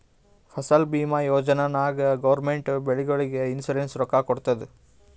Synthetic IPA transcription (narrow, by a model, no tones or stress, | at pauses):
pʰɐsɐlbiːmɐjoːd͡ʒɐnɐnaːɡɐɡɐʋɐɾmeɳʈbeɭiɡɐɭiɡeinsuɾensɾɔkakɔɽt̪ɐd̪e